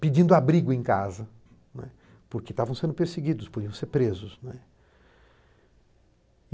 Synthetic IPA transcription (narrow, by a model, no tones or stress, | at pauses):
ped͡ʒĩnd̪ʊabɾiɡʊẽj̃kazɐ | nwɛ̰ | pʊɾket̪avɐ̃w̃sẽnd̪ʊpeɾseɡid̪ʊspod͡ʒiɐ̃w̃seɾpɾezʊsnwɛ